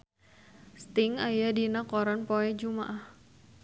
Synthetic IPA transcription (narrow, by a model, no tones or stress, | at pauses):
st̪ɪŋajadinakɔɾanpoɛd͡ʒuma̰ʔah